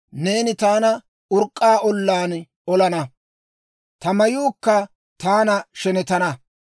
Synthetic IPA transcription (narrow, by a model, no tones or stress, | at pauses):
ne̞ːnɪt̪aːnɐ | ʊɾkʼːaːʔɔlːaːn | ɔlɐnɐ | t̪ɐmɐjuːkːɐ | t̪aːnɐʃɛnɛt̪ɐnɐ